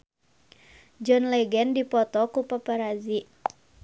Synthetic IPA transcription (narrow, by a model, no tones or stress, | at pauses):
d͡ʒɔnlɛɡɛndipɔt̪ɔkupapaɾaziʔ